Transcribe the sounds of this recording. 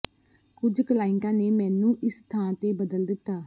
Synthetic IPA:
kʊd͡ʒklaːɪŋkãːneːmɛ̃ːnũːʔɪst̪ʰãːt̪eːbəd̪əld̪ɪt̪ːaː

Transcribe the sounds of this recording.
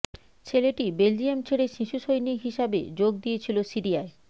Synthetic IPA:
t͡ɕʰeleʈibeld͡ʑiemt͡ɕʰeɽeʃiʃuʃojniɦiʃabḛd͡ʑoɡ̚d̪ijet͡ɕʰilosiɾiae

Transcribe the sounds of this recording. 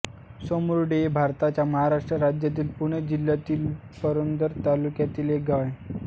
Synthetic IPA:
somɾɽebʱaɾt̪at͡ɕjaməɦaɾaʂʈɾəɾad͡ʑjat̪iːlpuɽ̃ed͡ʑiljat̪iːl | pəɾond̪əɾt̪alukjat̪iːlek̚ɡaʋẽ

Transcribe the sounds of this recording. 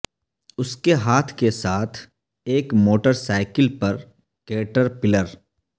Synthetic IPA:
ʊskeɦaːt̪ʰkesaːt̪ʰ | eːkmoːʈəɾsaːɪkɪlpɐɾ | keːʈəɾpɪləɾ

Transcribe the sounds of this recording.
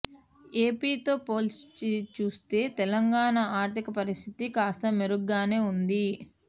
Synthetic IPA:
e̞ːpiːt̪o̞ːpoːlst͡ʃit͡ʃuːst̪e̞ːt̪ɛlɐŋɡaːɳɐaːɾt̪ʰikɐpɐɾist̪ʰit̪ikaːst̪ɐmeɾuɡːaːne̞ːund̪i

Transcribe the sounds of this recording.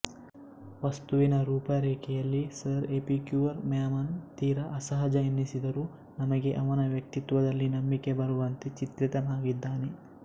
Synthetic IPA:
ʋɐst̪uʋinɐɾuːpɐɾeːkɛjɐlːisɐɾepikjuʋɐɾmaːmɐnt̪iːɾɐʔɐsɐɦɐd͡ʒɐinːisid̪ɐɾu | nɐmɐɡe̞ʔɐʋɐnɐʋjɐk̚t̪it̪ʋɐd̪ɐlːinɐmbikebɐɾuʋɐnt̪et͡ʃit̪ɾit̪ɐnaːɡid̪ːaːne

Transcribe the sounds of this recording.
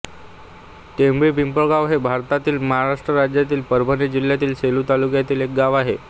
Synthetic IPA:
t̪embɾiːpimpəɡaʋɦebʱaɾt̪at̪iːlməɦaɾaʂʈɾəɾad͡ʑjat̪̬iːlpəɾbʱənid͡ʑil̤jat̪iːlseluːt̪alukjat̪iːlek̚ɡaʋaɦe

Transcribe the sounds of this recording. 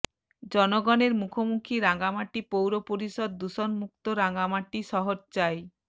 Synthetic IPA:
d͡ʑɔnoɡɔneɾmukʰomukʰiɾaŋɡamaʈːipowɾopoɾiʃod̪̚ːuʃonmuk̚t̪oɾaŋɡamaʈːiʃɔɦoɾt͡ɕae

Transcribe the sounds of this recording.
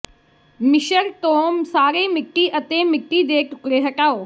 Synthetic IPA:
mɪʃəɾt̪õːsaːɾeːmɪkʈːiːʔət̪eːmɪkʈːiːd̪eːʈʊkɽeːɦɐʈaːoː

